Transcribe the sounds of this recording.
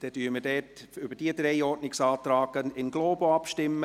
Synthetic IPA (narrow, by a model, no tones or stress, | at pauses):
d̥ɛd̥yːmədɛːtʏbəd̥iəd̪ɾɛɪɔtnɪksɑːt̪ɾaːɡənɪnɡloːboɑpʃtɪmːə